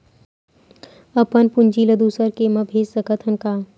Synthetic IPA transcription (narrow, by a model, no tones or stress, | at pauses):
ɐpənpund͡ʒiːlɐd̪uːsəɾkemɐbʱeːssɐkət̪ʰɐnkaː